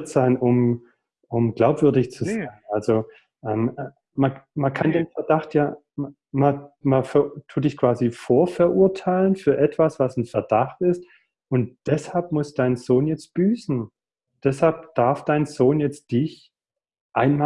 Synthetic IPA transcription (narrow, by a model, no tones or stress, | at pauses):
tz̥aɪnʔʊm | ʔʊmɡlaʊpv̥ʏɐdɪçt͡suz̥aɪɪnʔalzo | ʔɛːm | mamankʰandeːnfɛɐd̥aχtjaː | m | mamafɛtʰuːt̚d̥ɪçkv̥aːzifoːɐfɛɐʔuɐtʰaɪlənfyːɐʔɛtv̥asv̥asn̩fɛɐdaχtɪst | ʔʊntd̥ɛshalpmʊsd̥aɪnzoːnjɛt͡st̚b̥yːsn̩ | d̥ɛshalpd̥aɐfd̥aɪnzoːnjɛt͡std̥ɪç | ʔaɪnma